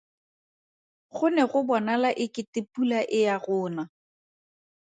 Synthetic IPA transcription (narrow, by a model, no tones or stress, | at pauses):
χʊnɛɣʊbɔnalaʔɪkɪtepulaʔɪjaɣʊːna